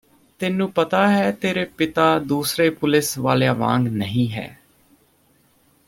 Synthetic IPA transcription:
t̪ɪnːũːpət̪aːɦɛːt̪eːɾeːpɪt̪aːd̪uːsɾeːpʊlɪsʋaːlejaːʋã̰ːŋɡnəɦĩːɦɛ̰ː

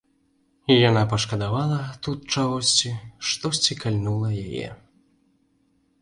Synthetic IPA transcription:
ijanapɐʂkɐd̪avalˠɐt̪ut̪̚t͡ʂaɣɔsʲt͡sʲiʂt̪ɔsʲt͡sʲikalʲnulˠɐjajɛ̰

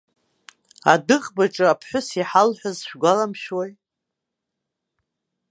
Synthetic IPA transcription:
a̰dɨχʼbaʈ͡ʂʼɨapʰħʷᶣʊsiħalħʷᶣazʃᶣɡʷalamʃwej

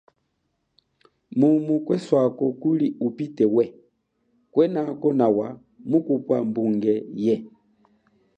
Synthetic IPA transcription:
mumukwɛswakɔkuliupitɛwɛ | kwɛnakɔnawa | mukupwambuŋɡɛjɛ

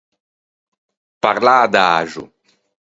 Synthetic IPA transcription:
paɾlaːd̪aaʒṵ

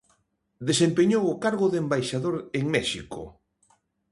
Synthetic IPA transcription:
d̪esempeɲowʊkaɾɣʊðembajʃaðoɾeŋmɛʃiko̰

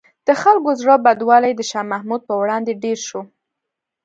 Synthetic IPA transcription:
d̪̥əxalkozɾobad̪wɑlajd̪əʃɑmahmud̪̚pəwɽɑnd̪eɖeɾʃo

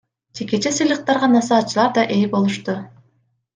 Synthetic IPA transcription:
d͡ʒe̞ke̞t͡ʃesɯjlˠɯq̚t̪ɑɾʁɑnɑsɑːt̪̚t͡ʃːɯlˠɑɾd̪ɑʔe̞jbo̞lˠuʃt̪u

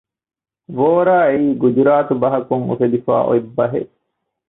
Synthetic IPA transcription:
ʋoːɾaːeiːɡud͡ʒuɾaːt̪ubɐɦɐkuŋṵfed̪ifa̰ːʔo̰ibːɐɦḛ

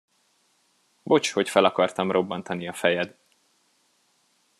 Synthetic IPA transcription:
bo̞t͡ʃho̞cfɛlɒkɒrt̪ɒmro̞bːɒnt̪ɒniɒfɛjɛd̪

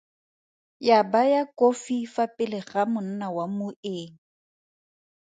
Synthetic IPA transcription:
jabajakʼofifapʼɪlɪχamʊn̩nawamʊeːŋ̩

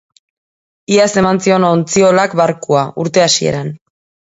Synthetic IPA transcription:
iase̞mansio̞no̞nt͡sio̞lakbaɾkuauɾt̪e̞asie̞̰ɾan

